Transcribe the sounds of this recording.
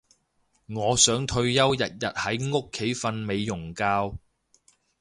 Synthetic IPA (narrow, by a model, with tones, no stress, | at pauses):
ŋɔː˨˧sœː˨˥ŋt̪ʰɵ˧ɥjɐ˥wjɐ˨t̚jɐ˨t̚hɐ˨˥jŋʊ˥kʰːe˨˥jfɐ˧nme˨˧jːʊ˨˩ŋkaː˧w